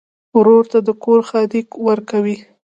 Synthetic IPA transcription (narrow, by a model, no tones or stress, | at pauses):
wɾoɾt̪ad̪əkoɾxɑd̪ikwəɾkawi